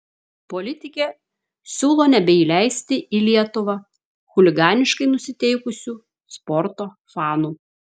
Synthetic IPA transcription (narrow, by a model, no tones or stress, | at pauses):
polʲɪt̪ʲɪkʲeː | sʲuːlˠoːnʲɛbʲɛiːlʲæˑɪsʲt̪ʲɪʔiːlʲiɛt̪ʊʋɐ | xʊlʲɪɡɑːnʲɪʃkɐɪnʊsʲɪt̪ʲɛɪkʊsʲuː | spɔɾt̪oː | fɑːnuː